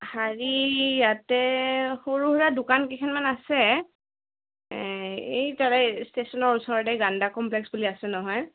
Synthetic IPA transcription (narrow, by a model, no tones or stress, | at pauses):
haɹijatɛxoɹuɦuɹadʊkankikʰɛnmanasɛ | ejtaɹɛstesɔnɔɹusɔɹɔdɛɡandakɔmplɛksbuliasɛnɔɦɔj